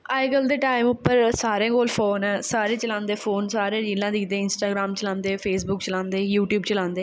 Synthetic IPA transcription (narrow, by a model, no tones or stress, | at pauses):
aːjɡəld̪eːʈaːɪmʊpːəɾsaːɾẽːɡoːlpʰoːnɛ̃ːsaːɾẽːt͡ʃəlãːnd̪eːpʰoːnsaːɾẽːɾiːlãːd̪iːd̪eːɪnsʈaːɡɾaːmt͡ʃəlãːnd̪eːpʰeːsbʊkt͡ʃəlãːnd̪eːjuːʈjuːbt͡ʃəlãːnd̪eː